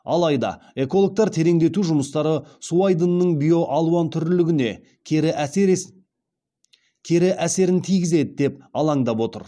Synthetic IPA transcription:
ɑ̰lˠɑjd̪ɑ̰ | e̞ko̞lˠok̚t̪ɑɾt̪ʰe̞ɾe̞ŋd̪e̞t̪uʒʊməst̪ɑɾəsuajd̪ənːəɴbijo̞ʔɑlˠuwɑnt̪ʰʏɾlɪɡʲɪne̞ | kʲʰe̞ɾɪʔæse̞ɾɪnt̪ʰijɡʲɪze̞d̪ɪd̪e̞p̚ɑlˠɑɴd̪ɑpwo̞t̪ə̰ɾ

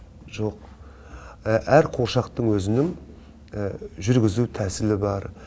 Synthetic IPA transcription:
ʒo̞q̚ | ʔæɾqʰo̞ɾʃɑqt̪əɴwɵzɪnɪŋ | ʒʏɾɡʲɪzut̪ʰæsɪlɪbɑɾ

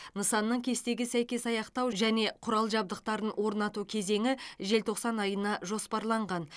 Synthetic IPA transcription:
nəsɑnːəɴkʲʰe̞st̪e̞ɡʲɪsæjkʲe̞sɑjɑqt̪ɑwʒæne̞qʰʊɾɑlˠʒɑb̚d̪əq̚t̪ɑɾənwʔo̞ɾnɑt̪ukʲʰe̞ze̞ŋɪʒe̞lt̪ʰo̞qsɑnɑjənɑʒo̞spɑɾlˠɑɴʁɑn

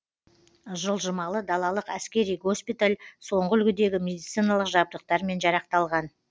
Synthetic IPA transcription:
ʒəlˠʒəmɑlˠəd̪ɑlˠɑlˠəqæskʲe̞ɾijɡo̞spijt̪alʲso̞ɴʁəʏlɡʲɪd̪e̞ɡʲɪmʲe̞d̪ijt̪sɨjnɑlˠəqʒɑb̚d̪əq̚t̪ɑɾme̞nʒɑɾɑq̚t̪ɑlˠʁɑn

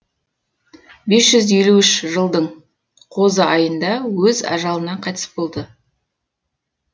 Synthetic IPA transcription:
be̞sʒ̥ʏzje̞luɪʃʒəlˠd̪əɴ | qʰo̞zəʔɑjənd̪ɑwɵzɑ̰ʒɑlˠənɑqʰɑjt̪ə̥sbo̞lˠd̪ə

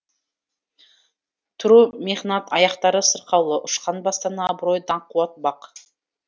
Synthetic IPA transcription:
t̪ʰʊɾumeʁnɑt̪ɑjɑqt̪ɑɾəsəɾqɑwlˠəʔʊʃqɑnbɑst̪ɑnɑbɾo̞jd̪ɑqʰuɑt̪̚bɑq

